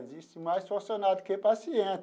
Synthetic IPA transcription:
zist̪imajsfoɾsonad̪ʊkepasiẽ

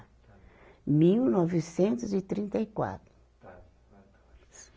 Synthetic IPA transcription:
miwnɔvisẽnt̪ʊzit̪ɾĩnt̪ɐjkwa̰t̪ɾʊ

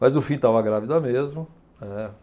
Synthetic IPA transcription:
mɐjzʊfĩt̪avɐɡɾavid̪ɐmezmʊ | ɛ

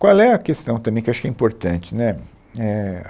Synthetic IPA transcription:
kwawlɛɐkest̪ɐ̃w̃t̪ɐ̃mbẽj̃kewaʃʊkɛĩpoɾt̪ɐ̃t͡ʃɪnɛ | ɛ

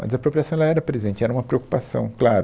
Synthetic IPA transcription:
mɐ̰zɐpɾopɾiasɐ̃w̃ɛlɐɛɾɐpɾezẽnt͡ʃɪɛɾɐũmɐpɾeoku̥pasɐ̰̃w̃klaɾʊ

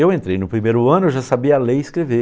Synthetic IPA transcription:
ewẽnt̪ɾejnʊpɾimejɾʊɐ̃nʊeʒasabiɐleiskɾeve

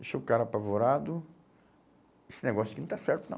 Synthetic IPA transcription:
ʃokaɾɐapavoɾad̪ʊ | esɪneɡɔsjʊkɪnɐ̃w̃t̪asɛɾt̪ʊnɐ̰̃

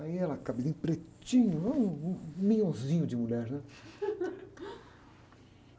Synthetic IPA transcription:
aiɛlɐkabizĩɲʊpɾet͡ʃĩɲʊɛũmĩɲõzĩɲʊd͡ʒɪmuʎɛɾnɛ

